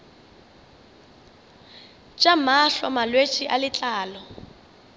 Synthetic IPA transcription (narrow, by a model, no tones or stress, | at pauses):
t͡ʃʼamaɬɔmalwet͡ʃʼiʔalɪt͡ɬʼaːlɔ